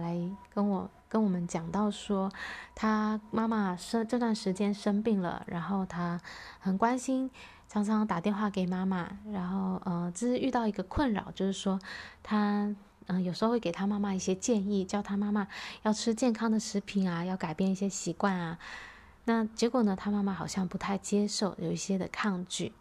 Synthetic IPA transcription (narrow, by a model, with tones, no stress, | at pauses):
la˧˥ɪkə˥nwɔ˨˩ | kə˥nwɔ˨˩mə˦nt͡ɕjɑ˨˩ŋt̪ɑ˥˩ʊʂwɔ˥t̪ʰa˥ma˥ma˥˧ʂə˥ʈ͡ʂɤ˥˧t̪wa˥˩nʂɻ̩˧˥t͡ɕjɛ˥nʂə˥npi˥˩ŋlə̰˩ɻa˧˥nxo˥˩ʊt̪ʰa˥xə˨˩nkwa˥nɕi˥n | ʈ͡ʂʰɑ˧˥ŋʈ͡ʂʰɑ˧˥ŋt̪a˨˩t̪jɛ˥˧nxwa˥˩ke˨˩ɪma˥ma˨˩ɻa˧˥nxo˥˩ʊə˥˧ʈ͡ʂə˥˧˥ʂɻ̩˥˧y˥˧t̪ɑ˥˩ʊi˧˥ɡə˧kʰwə˥˩nɻɑ̰˨˩˦ʊt͡ɕjo˥˧ʊʂɻ̩˥˩ʂwɔ˥t̪ʰa˥ | ə˥˧jo˨˩ʊʂɻ̩˧˥˧we˥˩e˨˩ɪt̪ʰa˥ma˥ma˧i˥˩ɕjɛ˥t͡ɕjɛ˥˧ni˥˩t͡ɕjɑ˥˧ʊt̪ʰa˥ma˥ma˧jɑ˥˩ʊʈ͡ʂʰɻ̩˥t͡ɕjɛ˥˩nkʰɑ˥ŋd̪ə˨ʂɻ̩˧˥pʰi˧˥na˧jɑ˥˩ʊka˨˩ɪpjɛ˥˧ni˥˩ɕjɛ˥ɕi˧˥kwa˥˩nɐ˩ | na˥˩t͡ɕjɛ˧˥kwɔ˨˩nə˦t̪ʰa˥ma˥ma˧˩xɑ˨˩ʊɕjɑ˥˩ŋpu˧˥t̪ʰa˥˩ɪt͡ɕjɛ˥ʂo˥˩ʊjo˨˩ʊi˥˩ɕjɛ˥d̪ə̰˨kʰɑ˥˧ŋt͡ɕy˥˩